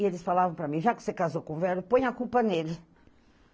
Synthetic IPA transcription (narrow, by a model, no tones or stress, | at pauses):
ielʃfalˠavɐ̃w̃pɾɐmĩʒaksekazokõvɛɾupõɲ̃akulˠpɐnel